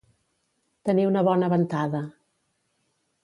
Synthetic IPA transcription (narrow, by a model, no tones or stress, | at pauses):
t̪əniwnəβɔnəβənt̪aðə